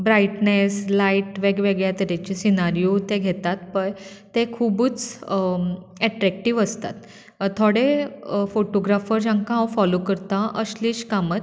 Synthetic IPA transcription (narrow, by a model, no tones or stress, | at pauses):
bɾaiʈneslaiʈʋeɡʋeɡɭjat̪əɾat͡ɕisinaɾijot̪eɡʱet̪at̪pəɳ | t̪ekʰubuːt͡s | ɛʈɾɛk̚ʈiʋəst̪a̰t̪ | t̪ʰːoɽefoʈoɡɾafəɾd͡ʑãŋkãɦãwfɔlokəɾt̪ãʔəsliɕkamət̪